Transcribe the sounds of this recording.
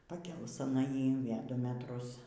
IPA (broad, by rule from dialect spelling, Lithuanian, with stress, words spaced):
pɐˈkʲeːlˠʊs ɐˈnɐ ˈjiː ɪ ˈʋʲeː ˈdʊ mʲɛˈtrʊs